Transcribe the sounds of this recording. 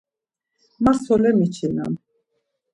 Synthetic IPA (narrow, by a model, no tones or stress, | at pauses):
masɔlɛmit͡ʃʰina̰n